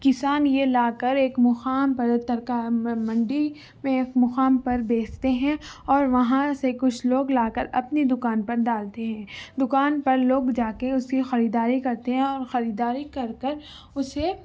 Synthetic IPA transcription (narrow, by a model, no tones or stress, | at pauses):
kɪsaːnjelaːkɐɾeːkmʊxaːmpɐɾt̪ɐɾkamɐ̃ɳɖi | mẽːkmʊxaːmpɐɾbeːt͡ʃt̪eɦɛ̃ɔːɾʋɐɦãsekʊt͡ʃʰloːɡlaːkɐɾɐpnid̪ʊkaːnpɐɾɖaːlt̪eɦɛ̃ːd̪ʊkaːnpɐɾloːɡd͡ʒaːkeʊskixɐɾiːd̪aːɾikɐɾt̪eɦɛ̃ɔːɾxɐɾiːd̪aːɾikɐɾkəɾ | ʊse